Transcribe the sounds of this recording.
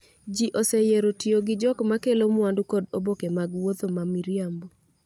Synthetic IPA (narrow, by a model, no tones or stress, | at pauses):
d͡ʒiʔosejeɾotioɡɪd͡ʒɔkmakelomwandukɔdobokemaɡwot̪omamiɾjambo